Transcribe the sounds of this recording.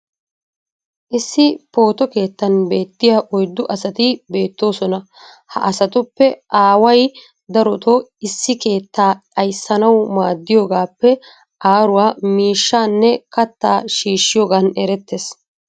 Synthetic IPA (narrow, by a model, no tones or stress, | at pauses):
ʔɪsːɪpo̞ːt̪ɔke̞ːt̪ːɐnbe̞ːt̪ːɪjaːʔɔjd̪ːʊʔɐsɐt̪ɪbe̞ːt̪ːo̞ːsɔnɐ | hɐ̰ʔɐsɐt̪ʊpːɛʔaːwɐj | d̪ɐɾɔt̪oɪsːɪke̞ːt̪ːaːt͡ʃʼɐjsːɐnɐwmaːd̪ːɪjoːɡaːpːɛ | ʔaːɾʊwaːmiːʃːaːnːɛkɐt̪ːaːʃiːʃːɪjoːɡaːnɛɾɛt̪ːes